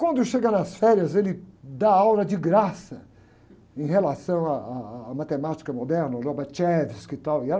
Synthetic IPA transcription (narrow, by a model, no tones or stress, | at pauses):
kwɐ̃nd̪ʊʃeɡɐnɐsfɛɾiɐzelɪd̪aawlɐd͡ʒiɡɾasɐ | ẽj̃helasɐ̃w̃aaːmat̪emat͡ʃi̥kɐmod̪ɛɾnɐʒɔbɐt͡ʃɛvɪskɪt̪awɪɛ